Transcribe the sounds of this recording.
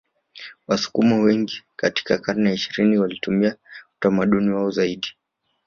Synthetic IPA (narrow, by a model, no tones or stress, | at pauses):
wasu̥kumɔwɛŋɡikati̥kakaɾnɛiʃiɾiniwalitumiau̥tamaɗuniwaɔzaiɗi